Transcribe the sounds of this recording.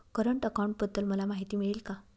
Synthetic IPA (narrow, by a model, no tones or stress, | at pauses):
kəɾəɳʈəkawɳʈ̚bəd̪ːəlməlamaɦit̪iːmiɭiːlka